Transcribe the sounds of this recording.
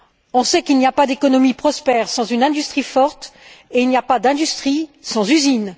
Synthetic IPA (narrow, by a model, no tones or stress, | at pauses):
ɔ̃sɛkilniapad̪ekɔnɔmipχɔspɛʁsɑ̃zynɛ̃d̪yst̪χifɔʁt̪eilnijapad̪ɛ̃d̪yst̪χisɑ̃zyzin